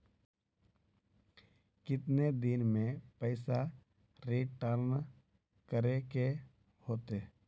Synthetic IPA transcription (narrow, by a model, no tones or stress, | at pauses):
kɪt̪ned̪ɪnmẽpəɪsa | ɾiʈəɾn | kəɾeke | hoːt̪e